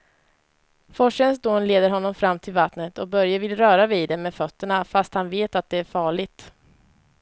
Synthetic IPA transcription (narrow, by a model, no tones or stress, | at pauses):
fɔʂənsd̪oːnleːd̪əɾɦɔnːɔmfɾamːt̪ʰɪlvat̪nət̪ʰɔk̚bœɾjavɪlɾœːɾavid̪ɛmɛfœt̪ːəɳafast̪hanveːt̪at̪̚d̪ɛæɾfɑːɭɪɡ̚t̪